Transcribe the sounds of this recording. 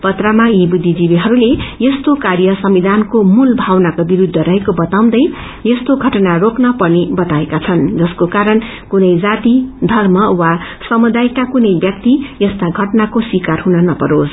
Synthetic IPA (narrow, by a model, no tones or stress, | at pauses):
pʌt̪ramajibud̪ʱːid͡zibiɦʌɾulejʌst̪okarjʌsʌmid̪ʱankomulbʱawnakobiɾud̪ʱːʌɾʌɦekobʌt̪aw̃d̪ʌj | jest̪oɡʱʌʈnaroknʌpʌrnibʌt̪aekat͡sʰʌnd͡zʌskokaɾʌn | kunʌjd͡zat̪id̪ʱʌrmʌwa | sʌmud̪ajkakunʌjbjʌk̚t̪ijʌst̪aɡʱʌʈnakoswikarɦunʌnʌpʌɾos